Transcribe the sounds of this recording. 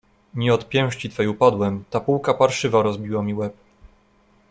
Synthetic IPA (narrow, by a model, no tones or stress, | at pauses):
mʲiɔt̪pʲjɛ̃w̃ʂt͡ɕit̪fɛjupad̪wɛmt̪apuwkapaɾʂɘvaɾɔzbʲiwamʲiwɛp